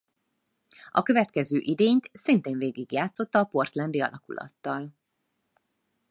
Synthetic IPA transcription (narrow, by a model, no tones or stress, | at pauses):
ɒkø̞vɛt̪kɛzøːʔid̪eːɲt̪sint̪eːɱveːɡiɡjaːt̪so̞t̪ːɒːpo̞rt̪lɛnd̪iɒlɒkulɒ̰t̪ːɒl